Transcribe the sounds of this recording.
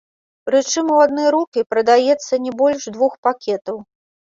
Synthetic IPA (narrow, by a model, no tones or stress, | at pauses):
ɾɨt͡ʂɨmuwad̪nɔjɾukʲipɾɐd̪ajɛt̪sːɐnʲɛbɔlʲʂd̪vuxpakʲɛt̪ɐw